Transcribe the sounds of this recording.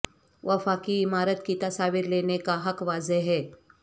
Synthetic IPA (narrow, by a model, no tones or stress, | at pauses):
ʋʔɐfaːkiɪmaːɾət̪kit̪ɐsaːʋɪɾleːnekaɦɐkʋaːzeɦɛː